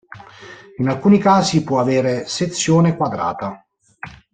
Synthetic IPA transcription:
inalkuːnikaːzipwɔaveːɾeset̪sːjoːnekwad̪ɾa̰ːt̪a

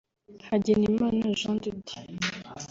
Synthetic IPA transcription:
haɟenimanaʒãnd̪edi̥

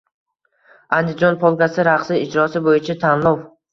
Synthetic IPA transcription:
and̪ɪd͡ʒonpʰɒlˠɡʲasɪɾaqsɪɪd͡ʒɾɒsɪbojɪt͡ʃʰat̪ʰanlˠow

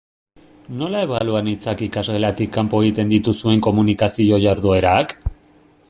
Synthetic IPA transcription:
no̞lae̞βaluanit͡sakikazɣe̞lat̪ikːampo̞e̞ɣit̪e̞nd̪it̪usue̞ŋko̞munikasio̞ʝaɾðue̞ɾak

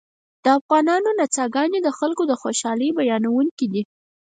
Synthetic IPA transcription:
d̪̥əafɣɑnɑnonat͡sɑɡɑned̪əxalkod̪əxoʃɑləjbajɑnawuŋkid̪i

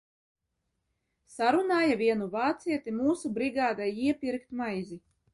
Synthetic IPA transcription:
saɾunaːjaviɛnuvaːt̪siɛt̪imuːsubɾiɡaːd̪ajiɛpʲiɾkt̪majzi

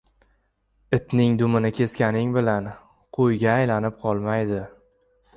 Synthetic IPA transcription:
ɪt̪nɪŋd̪ʊmɪnɪkʲʰe̞skʲanɪŋbɪlan | qʰojɡʲaːjlanɪp̚qʰɒlˠmajd̪ɪ

